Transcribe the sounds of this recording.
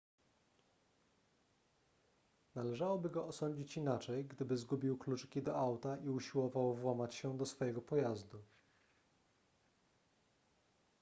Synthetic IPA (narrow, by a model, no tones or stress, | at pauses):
nalɛʐawɔbɘɡɔːsɔɲd͡ʑit͡ɕinat͡ʂɛjɡd̪ɘbɘzɡubʲiwklut͡ʂkʲid̪ɔawt̪aʔiuɕiwɔvawvwamat͡ɕɕɛd̪ɔsfɔjɛɡɔpɔjazd̪u